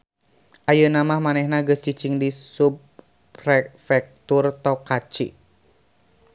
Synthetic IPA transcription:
ʔajənamahmanɛhnaɡəst͡ʃit͡ʃiŋdisup | rɛfɛk̚t̪urt̪ɔkat͡ʃḭ

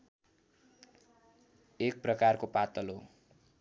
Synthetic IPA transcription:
ek̚prʌkarkopat̪ʌlo

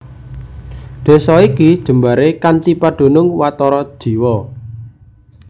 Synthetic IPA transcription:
ɖ̪̥e̤sɔikid̥ʒ̥ə̤mba̤ɾekant̪ipaɖ̥o̤nʊŋwat̪ɔɾɔd̥ʒ̥i̤wɔ

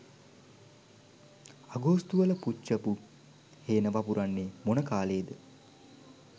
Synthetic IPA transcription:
aɡoːst̪uʋələput͡ʃt͡ʃːəpu | heːnəʋapuɾanːemonəkaːleːd̪ə

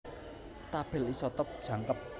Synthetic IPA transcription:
t̪ab̥ɪ̤lisɔt̪ɔp̚d̥ʒ̥ä̤ŋkəp̚

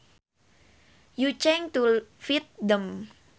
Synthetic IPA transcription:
jut͡ʃɛŋt̪ufit̪̚dəm

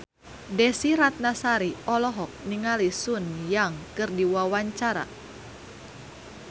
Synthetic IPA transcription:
dɛsiɾat̪̚nasaɾiɔlɔɦɔk̚niŋalisunjaŋkɨrdiwawaɲt͡ʃaɾa̰

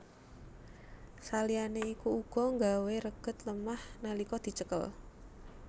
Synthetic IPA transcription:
salianeikuuɡ̥ɔ̤ŋɡaweɾəɡ̥ə̤t̪̚ləmahnalikɔd̪̥i̤t͡ʃəkə̰l

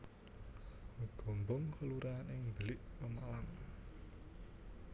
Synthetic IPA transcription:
ɡ̥o̤mbɔŋkəluɾaːnɪŋbəlɪʔpəmalaŋ

